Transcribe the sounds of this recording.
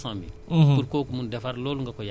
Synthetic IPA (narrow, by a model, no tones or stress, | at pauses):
sãmḭpuɾkokumũndɛfaɾloluŋkakoja